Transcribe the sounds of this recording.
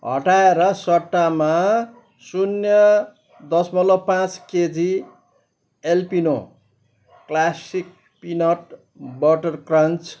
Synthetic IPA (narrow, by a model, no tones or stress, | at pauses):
ɦʌ̰ʈaeɾʌsʌʈːama | sunjʌ | d̪ʌsmʌlopãt͡sked͡zi | elpino | klasik̚ | pinʌʈ | bʌʈʌrkrʌnt͡s